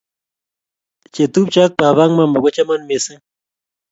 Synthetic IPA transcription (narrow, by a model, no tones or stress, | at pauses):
t͡ʃet̪up̚t͡ʃak̚paβaŋmamaɡʷot͡ʃamanmesɨ